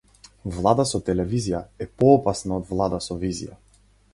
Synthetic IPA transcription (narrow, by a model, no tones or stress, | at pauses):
vlˠad̪asɔt̪ɛlɛvizijaɛpɔːpasnaɔd̪vlˠad̪asɔvizḭja̰